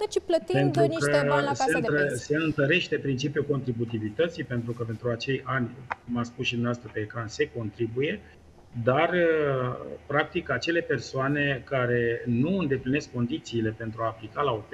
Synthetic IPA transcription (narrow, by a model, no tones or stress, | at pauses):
t͡ʃp̪pe̞nt̪ɾukəseɨnəse̞ɨnt̪əɾe̞ʃt̪e̞pɾint͡ʃipjuko̞nt̪ɾibut̪ivit̪ət̪sipe̞nt̪ɾukəpe̞nt̪ɾuat͡ʃe̞janʲkumaspusʃid̪umnaast̪ɾəpe̞ːkɾanse̞ko̞nt̪ɾibuje̞ | d̪arə | pɾak̚t̪ikat͡ʃe̞le̞pe̞rsoane̞kaɾe̞nuɨnd̪e̞pline̞skːo̞nd̪it̪siːle̞pe̞nt̪ɾuaːplikalaop